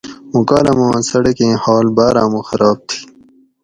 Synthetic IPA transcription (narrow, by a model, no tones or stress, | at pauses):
mukaːlɐmãːnsɐɽɐkẽːhaːlbaːɾãːmuxɐɾaːb̚t̪ʰi̥